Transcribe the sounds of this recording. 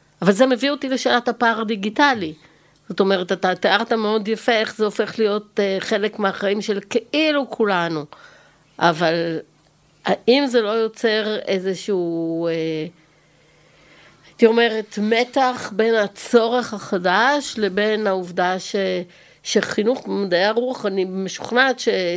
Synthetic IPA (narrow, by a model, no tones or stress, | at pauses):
avalzemevio̞tile̞ʃelathapaːʁd̪iɡitali | z̥o̞t̪o̞meʁetatat̪eaʁtameo̞djafeeχzeofe̞χlijo̞teχe̞lekmeaχaimʃe̞lkeʔilukʰulanu | ʔaval | aʔimzelo̞jo̞t͡se̞ʁḛzeʃuːe | at̪io̞me̞ʁe̞tme̞taχbe̞nat͡so̞ʁe̞χaχadaʃlebenauvdaʃe | ʃeχinuχbemadajaʁuaχanibmeʃu̥χnatʃe